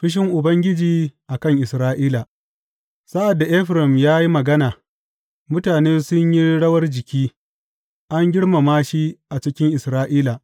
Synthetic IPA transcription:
ɸɪ˦ʃ̬ɪ˦ŋʔʊ˨bɐ˦ŋɡʲɪ˦d͡ʒiː˨ʔa˨kɐ˦ŋʔɪ˨sɾaː˦ʔiː˦la˨ | sa˦ʔa˨dːa˨ʔɛ˦ɸɾɪ˨mjaː˦ji˦mɐ˨ɡɐ˦naː˨ | mʊ˦taː˨neː˦sʊ˦ɲji˦ɽɐ˦wɐ˦rd͡ʒɪ˨kʲiː˦ | ʔa˦ŋɡʲɪ˦ɽma˨maː˦ʃi˦ʔa˨t͡ʃɪ˦kʲɪ˦ŋʔɪ˨sɾaː˦ʔiː˦la˨

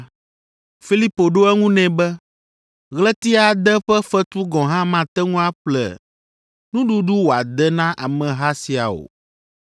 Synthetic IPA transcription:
fi˦li˦po˨ɖo˦ɛ˦ŋũ˦nɛ̃˨bɛ˦ | ɣlɛ˦t̪i˦a˨d̪ɛ˦ɸɛ˦fɛ˦t̪u˦ɡɔ̃˨ɦã˦mã˨t̪ɛ˦ŋũ˦a˦ɸlɛ̰˨ | nũ˦ɖu˦ɖu˦wo˨a˨d̪ɛ˦nã˦ʔa˨mɛ̃˨ɦa˦si˨a̰˨o̰˨

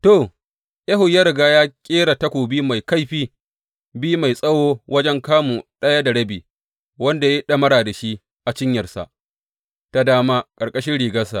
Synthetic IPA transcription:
to˨ | jɐ˦ɦʊ˨ja˦ɾɪ˨ɡaː˦jaː˦kʲʼeː˦ɽa˨ta˦kʷoː˨biː˦ma˨jka˦jɸiː˦ | bi˦ma˨jsʼɐ˦woː˦wɐ˦d͡ʒɛ˦ŋkaː˦mu˨ɗɐ˦ja˦da˨ɽɐ˦biː˨ | wɐ˦nda˨je˦ɗɐ˦mɐ˦ɽaː˨da˨ʃi˦ | ʔa˨t͡ʃɪ˦ɲjɐ˨rsa̰˨ʔ | ta˨daː˦ma˦kʼɐ˨rkʼɐ˦ʃɪ˦nɽiː˨ɡɐ˦sa̰˨ʔ

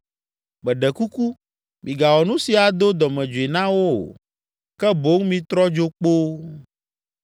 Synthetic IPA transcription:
bɛ˨ɖɛ˨ku˦ku˦ | mĩ˨ɡa˨wɔ˨nũ˦si˨a˨d̪o˦d̪ɔ˨mɛ̃˨d͡ʒu˨e˨nã˦wo˦o̰˨ | kɛ˦bo˦ŋmĩ˦t̪ɾɔ˦d͡ʒo˦k͡po˦

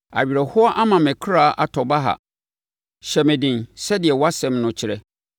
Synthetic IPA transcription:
a̰˨bi˨ɾɛ˨hʊ˦a˦ʔa˦mã˨mɪ̃˨kʰɾaː˨ʔa˨tʰɔ˨ba˦ɦa̰˨ | ɕɛ˨mɪ̃˨dɪ̃˨nsɛ˦dɪ˨ɛ˨wa˦sɛ̃˨mnʊ̃˨t͡ɕʰɪ˨ɾɛ˦

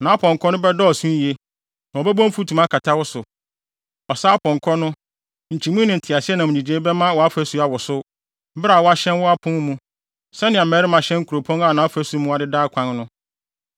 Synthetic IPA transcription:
nã˨a˦pʰɔ̃˨ŋ˨kʰɔ˦nʊ̃˦bɛ˦dɔː˦ɔ˨sũ˦je˦ | nã˨ɔ˨bɛ˦bɔ̃˦m̩˦fu˦tʰũ˨mã˦kʰa˨tʰa˦wɔ˦sʊ˨ | ɔ˨saː˦pʰɔ̃˨ŋ˨kʰɔ˦nʊ̃˦ | ɲ̩˨t͡ɕʰi˨mũ˦nɪ̃˨n̩˨tʰɪ˨a˨sɪ˦ɛ˦nã˨mʊ̃˨d͡ʑĩ˨d͡ʑe˨˦bɛ˦mã˦wɔ˨a˦fæ˦su˨˦a˨wɔ˨sʊ˦ | bɾa˨wɔ˦a˦ɕɛ̃˦nwɔ˦a˦pʰʊ̃˦n˦mũ˦ | sɛ˦nɪ̃˨a˨mɛː˨˦ɾɪ˦mã˨ɕɛ̃˦ŋ̩˦kʰu˨ɾo˨pʰɔ̃˦na˦˨nã˨a˦fæ˦su˨˦mũ˦a˨dɪ˦daː˦kʷʰã˦nnʊ̃˦

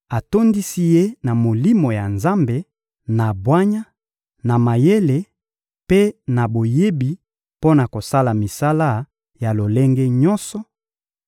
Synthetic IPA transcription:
a˨to˦ndi˦si˦je˦na˨mo˨li˦mo˨ja˨nza˦mbe˨ | na˨bwa˦ɲa˦ | na˨ma˨je˦le˨ | pe˦na˨bo˨je˦bi˨ | po˦na˨ko˨sa˦la˨mi˨sa˦la˦ | ja˨lo˨le˦ŋɡe˦ɲɔ˦nsɔ˨

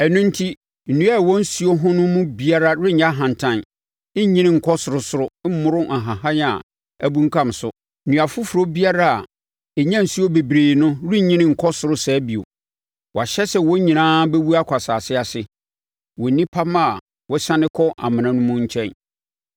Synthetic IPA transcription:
æ˨nũ˦n̩˦tʰi˦ | n̩˨nũ˦a˦˨wɔ̃˦n̩˦su˨o˦ɦʊ̃˦nʊ̃˦mʊ̃˦bi˦a˦ɾa˦ɾɪ˦ɲã˦ɦã˨n˨tʰã˦n̩˦ | ɲĩ˦nɪ̃˦ŋ̩˨kʰɔ˦sʊ˨ɾʊ˦sʊ˨ɾʊ˦m̩˦mʊ̃˦ɾʊ˦ʔa˨ɦã˨hã˦ja̰˨ | æ˦bũ˦ŋ̩˦kʰã˦˨m˨sʊ˦˨ | nũ˨a˨fʊ˦fɾo˦bi˦a˦ɾa˦a˨ | ɛ˨ɲã˦n̩˨si˦o˦be˨bɾeː˨nʊ̃˦ɾɪ˦ɲĩ˦nɪ̃˦ŋ̩˨kʰɔ˦sʊ˨ɾʊ˦sɛː˨˦bi˨o̰˨ | wɔ˨a˨ɕɛ˦sɛ˦wɔ˦ɲĩ˨nãː˦be˦wu˦a˦kʰʷa˨saː˨sɪ˦a˨sɪ˦ | wɔ˨nĩ˦pʰa˦ma˦˨ | wɔ˦ɕã˦nɪ̃˦kʰɔ˦ʔa̰˨mɪ̃˨nã˨nʊ̃˦mʊ̃˦ɲ̩˦t͡ɕʰɛ̃˦n

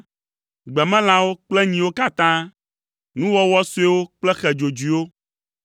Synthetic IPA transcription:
ɡ͡bɛ˨mɛ̃˦l̃ã˨wo˦k͡plɛ˦ɲĩ˨wo˦ka˦t̪ã˦ | nũ˦wɔ˦wɔ˦su˦ɛ˦wo˦k͡plɛ˦xɛ˨d͡ʒo˨d͡ʒi˨wo˦

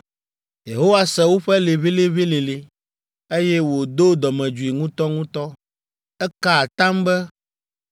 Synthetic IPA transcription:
je˨ɦo˦wa˦sɛ˨wo˦ɸɛ˦le˨βe˦le˦βe˦le˨le˨ | e˦jɛ˦wo˨d̪o˦d̪ɔ˨mɛ̃˨d͡ʒu˨i˨ŋũ˦t̪ɔ˦ŋũ˦t̪ɔ˦ | ɛ˦ka˦˨t̪ã˦mbɛ˦

